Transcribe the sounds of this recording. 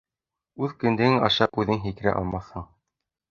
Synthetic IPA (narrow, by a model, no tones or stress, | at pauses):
ʉðkɵ̆nd̪ɘ̆ɡɘŋɑ̰ʃɑpʉðɘŋɦikɘ̆ɾæ̰ʔɑ̰lˠmɑθhɤɴ